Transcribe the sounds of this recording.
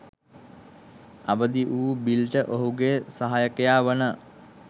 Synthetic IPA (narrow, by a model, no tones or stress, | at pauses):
abəd̪iʔuːbilʈəʔoɦuɡesaɦajəkəjaːʋənə